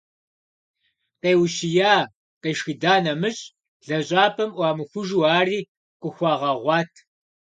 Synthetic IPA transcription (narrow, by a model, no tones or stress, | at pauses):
qeːwʃijaː | qɐjʃxidaːnɐmɨɕʼ | ɮ̥ɐɕʼaːpʰɐmʔʷɑːmɨxʷʊʒuːaːriː | qʷʊxʷɑːʁɐʁʷɑːtʰ